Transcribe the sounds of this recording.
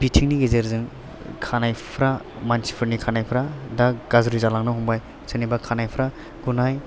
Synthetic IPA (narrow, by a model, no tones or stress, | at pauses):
bitʰiŋniɡezeɾzɯŋ | kʰanajpʰɾa | mansi̥pʰɯɾnikʰanajpʰɾadaɡazɾizalaŋnɯɦumbaj | sɯnibakʰanajpʰɾa | ɡunaj